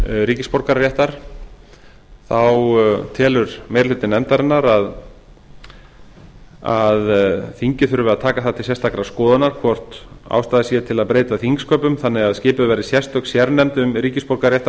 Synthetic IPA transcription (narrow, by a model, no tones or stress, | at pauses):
ɾiːcɪspɔɾkaɾːjɛht̪aɾ̥ | θawt̪ʰɛːlʏɾmeːjɾlʏt̪ɪnɛmt̪aɾɪnːaɾað | aðθiɲcɪθʏɾʏvɪðaðt̪ʰaːkaθaðt̪ʰɪlsɛst̪ʰakɾaskɔːðanaɾ̥kʰvɔr̥t̪a̰wst̪aːðɪsjɛt̪ʰɪlaðpɾeːjt̪aθiŋkskœpʏmθanːɛɣaðscɪːpʏvɛɾɪsjɛst̪œksjɛɾnɛmt̪ʏmɾiːcɪspɔɾkaɾɾjɛht̪a